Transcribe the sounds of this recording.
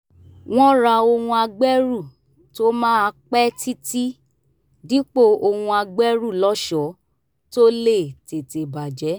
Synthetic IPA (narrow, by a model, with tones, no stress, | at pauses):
w̃ɔ̃˦ɾa˧o˧hũ˧a˧ɡ͡bɛ˦ɾu˦˨ | to˦mãː˦a˧k͡pɛ˦ti˦ti˦ | di˨˦k͡po˦˨o˧hũ˧a˧ɡ͡bɛ˦ɾu˦˨lɔ˦ʃɔ˨˦ | to˦le˦˨te˨te˨ba˨d͡ʒɛ˨˦